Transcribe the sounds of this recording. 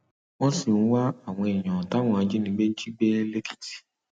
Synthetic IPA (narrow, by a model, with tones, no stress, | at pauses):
w̃ɔ̃˦sĩ˦˨˦wa˦a˦˨w̃ɔ̃˧ɛ˨j̃ɔ̃˨ta˨˦w̃ɔ̃˦˨a˧˦d͡ʒe˦nĩ˧˦ɡ͡be˦n̩˦d͡ʒi˦ɡ͡bɛ˦le˦ki̥˦˨ti̥˨